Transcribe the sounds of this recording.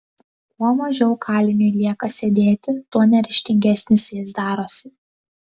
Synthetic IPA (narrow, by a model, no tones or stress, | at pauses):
kuɔmɐʒʲɛʊkʰɑːlʲɪnʲʊɪlʲiɛkɐsʲed̪ʲeːt̪ʲɪt̪uɔnʲɛɾʲɪʃʲt̪ʲɪŋʲɡʲɛsʲnʲɪsʲjɪsd̪ɑːɾoːsʲɪ